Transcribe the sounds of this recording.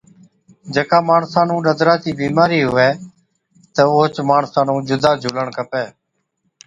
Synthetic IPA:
d͡ʒəkaːmaːɳsãːnũːɗəd̪ɾaːt͡ʃiːbiːmaːɾiːɦʊʋɛː | t̪əoːt͡ʃmaːɳsãːnũːd͡ʒʊd̪ʱaːd͡ʒʱuːləɳkəpɛː

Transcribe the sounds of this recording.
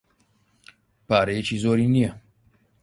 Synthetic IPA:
paːɾejet͡ʃʰiːzoːɾiːnije

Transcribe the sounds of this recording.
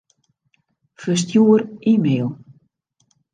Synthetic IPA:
fəs̬tjuərimeːlˠ

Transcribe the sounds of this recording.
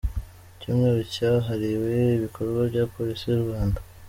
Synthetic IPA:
cuːmŋe̞ːɾocaɦaɾiwe̞iβikʰo̞ɾɡwavɟaːpo̞ɾisijuɾuɡaːnda

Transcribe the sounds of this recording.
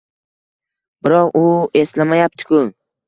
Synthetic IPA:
bɪɾɒqʊe̞slamajap̚t̪ʰɪ̥kʲʰʊ

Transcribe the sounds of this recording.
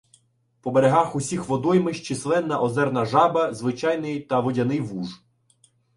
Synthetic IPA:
pɔbeɾeɦɑxusʲixʋɔd̪ɔjmɪʃt͡ʃislˠɛnːɐʔɔzɛrnɐʒɑbɐzʋɪt͡ʃɑjnɪjt̪ɐʋɔdʲɐnɪjʋuʒ

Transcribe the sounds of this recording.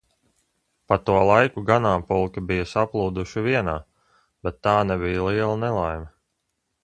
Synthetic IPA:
pat̪uɔlˠajkuɡanaːpulˠkɐbijɐsaplˠuːd̪uʃiviɛnaː | bɛt̪ːaːnɛbijalˠiɛlˠanɛlˠajmɐ

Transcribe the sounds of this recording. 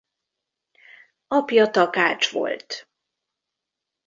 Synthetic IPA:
ɒpjɒt̪ɒkaːt͡ʃʋo̞̰lt̪

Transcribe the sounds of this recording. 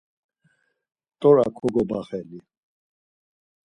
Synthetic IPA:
t̪ʼɔɾakʰɔɡɔbaχɛli

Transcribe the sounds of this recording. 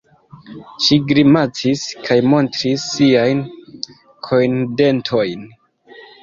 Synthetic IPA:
ʃiɡɾimat͡siskʰajmo̞ntɾisːiajn | kʰo̞jnde̞ntʰo̞jn

